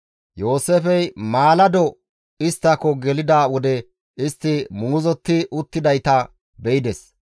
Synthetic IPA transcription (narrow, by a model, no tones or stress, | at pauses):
jo̞ːsefɛjmaːlɐd̪ɔ | ɪst̪ːɐkːɔɡɛlɪd̪aːwɔd̪ɛ | ʔɪst̪ːɪmuːzɔt̪ːɪʔʊt̪ːɪd̪ɐjt̪ɐ | bɛɪd̪ɛs